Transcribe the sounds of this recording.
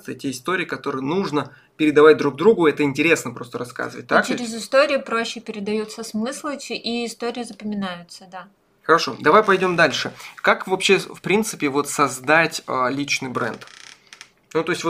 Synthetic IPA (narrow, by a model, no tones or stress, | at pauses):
t̪ətʲeɪst̪oɾʲɪːkɐt̪o̞ɾɨjənuʐnə | pʲɪɾʲɪd̪ɐvat̚ʲd̪ɾuɡ̚d̪ɾuɡʊɛt̪əɪnʲtʲɪɾʲe̞snəpɾo̞st̪əɾɐska̰zɨvə̰t̚ʲt̪ːakt͡ɕɪɾʲɪzɪst̪oɾʲɪjʊpɾoɕːɪpʲɪɾʲɪd̪ɐjut̪səsmɨslˠɨt͡ɕɪʔiɪst̪oɾʲɪjɪzəpəmʲɪnajʊt̪səd̪a | xəɾɐʂo̞̰d̪ɐvajpɐjdʲo̞md̪alʲʂɨkakvɐpɕːefpɾʲint̪sɨpʲɪvo̞t̪sɐzd̪atʲəlʲit͡ɕnɨjbɾɛ̰nt̪ | nut̪o̞ɪsʲtʲvo